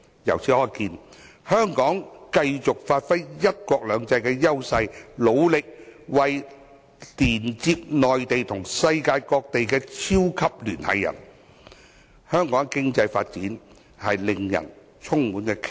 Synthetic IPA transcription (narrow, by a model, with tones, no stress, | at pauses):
jɐ̰˨˩wt͡sʰiː˨˥ɔː˧˩jkiː˧n | hœː˥ŋkɔː˨˥ŋkɐ˧jt͡sʊ˨k̚faː˧t̚fɐ˥jːɐ˥t̚kʷɔː˧k̚lœː˨˧ŋt͡sɐ˧jkɛː˧jɐ˥wsɐ˧jlo˨˧wlɪ˨k̚wɐ˨j | t̪iː˨˩nt͡siː˧p̚nɔː˨jt̪e˨jt̪ʰʊ˨˩ŋsɐ˧jkaː˧jkɔː˧k̚t̪e˨jkɛː˧t͡sʰiː˥wkʰɐ˥p̚lyː˨˩nhɐ̰˨jːɐ̰˨˩n | hœː˥ŋkɔː˨˥ŋkɪ˥ŋt͡sɐ˧jfaː˧t̚t͡siː˨˥n | hɐ˨jlɪ˨ŋjɐ̰˨˩n | t͡sʰʊ˥ŋmuː˨˥nkɛː˧kʰ